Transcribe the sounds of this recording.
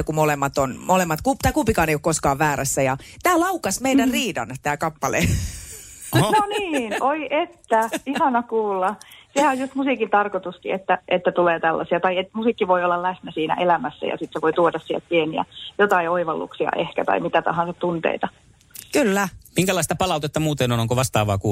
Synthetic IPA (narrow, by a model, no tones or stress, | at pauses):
kumolemːɑt̪onmolemːɑt̪kupt̪ɑˑːkupikɑːneiokoskɑːʋʋæːɾæsːæjɑt̪æːlɑukɑsmeidærriːdɑ̰nt̪æːkɑpːɑlḛ | noniːnoiʔet̪ːæihɑnɑkuːlːɑsehæojust̪musikint̪ɑrkot̪uskḭet̪ːæʔet̪ːæt̪uleːt̪ælːɑ̰siɑt̪ɑiet̪musiːˑkːiʋoiolːɑllæsnæsiːnæ̰ʔelæmæsːæ̰jɑ̰sit̪seʋoit̪uodɑssiḛlt̪̚pieniæ̰jot̪ɑioiʋɑlːṵksiɑ̰ʔehkæt̪ɑ̰imit̪æt̪ɑ̰hɑ̃nsɑt̪t̪unt̪ḛit̪ɑ | kylːæmiŋkælɑist̪ɑpɑlɑˑut̪et̪ːɑmuːt̪enonoŋkoʋɑst̪ɑːʋɑ̰ːkuː